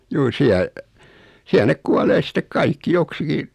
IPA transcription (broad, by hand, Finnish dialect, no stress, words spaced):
juː siæl̆ siæl nek kuɑleː sitˑek kɑikːi joksiki